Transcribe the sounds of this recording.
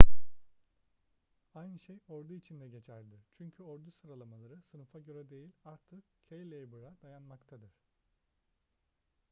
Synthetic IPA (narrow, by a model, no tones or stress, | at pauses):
ajnɯʃejo̞ɾd̪uit͡ʃʰind̪ɛɟe̞t͡ʃʰæɾd̪ɪt͡ʃʰyɲcʰyoɾd̪usɯɾalˠamalˠaɾɯsɯnufaɟøɾɛd̪e̞jilʲaɾt̪ʰɯkcʰejlʲejbɯɾad̪̥ajanmakt̪ʰad̪ɯɾ̥